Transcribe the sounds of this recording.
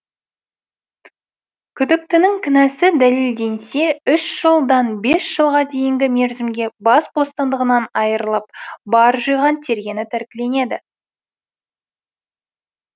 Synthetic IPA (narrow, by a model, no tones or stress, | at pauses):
kʲʰʏd̪ɪk̚t̪ɪnɪŋkʲʰɪnæsɪd̪æle̞ld̪e̞nse̞ʏʃʒ̥əlˠd̪ɑnbe̞sʒ̥əlˠʁɑd̪e̞jɪŋɡʲɪme̞ɾzɪmɡʲe̞bɑsbo̞st̪ɑnd̪əʁənɑnɑjəɾəlˠəp̚bɑɾʒəjʁɑnt̪ʰe̞ɾɡʲe̞nɪt̪ʰæɾkʲɪle̞ne̞d̪ɪ